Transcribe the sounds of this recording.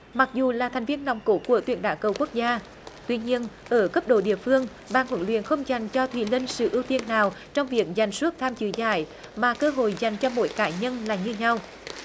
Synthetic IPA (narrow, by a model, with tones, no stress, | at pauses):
ma˨˩k̚zu˨˩laː˨˩t̪ʰɛ˨˩ŋ̟vi˧ənːɔ˨˩wŋ͡mko˧˦ku˧˩ət̪wḭ˧˩ənɗaː˧˩wkə˨˩wku˦˥ək̚zaː˧ | t̪wi˧ɲi˧ənʔəː˧˩kə˦˥p̚ɗo̰˧˩ɗḭ˧˨əfɨ˧əŋ | ɓaː˨˩nhwə˨˧˩nlwḭ˧˨ənxə˧wŋ͡mza˨˩jŋ̟t͡ɕɔ˧t̪ʰwḭ˧˩li˧nsɨ̰˧˩ʔi˧əwt̪i˧ənːaː˨˩wt͡ɕɔ˧wŋ͡mvi˨˩ək̚za˨˩jŋ̟su˦˥t̚t̪ʰaː˧mt͡ɕɨ̰˧˦za̰ː˧˩j | maː˨˩kəː˧ɦo̰˧˨jza˨˩jŋ̟t͡ɕɔ˧mo̰˧˥jkaː˧˩ɲə˧nlaː˨˩ɲɨ˧ɲa˧w